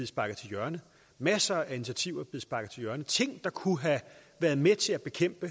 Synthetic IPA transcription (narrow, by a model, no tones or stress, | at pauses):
eð̩ˠsb̥ɑ̈ɡ̥ð̩ˠt͡sʰe̝ljɶɐnə | mæsɐæinit͡sʰiæt͡sʰiʊ̰ɐb̥e̝ð̩ˠsb̥ɑ̈ɡ̥ðˠt͡sʰe̝ljɶɐnət͡sʰe̝ŋ̰d̥ɑ̈kʰuɦæʋæːɐðˠmet͡sʰe̝læb̥e̝kʰem̰b̥ə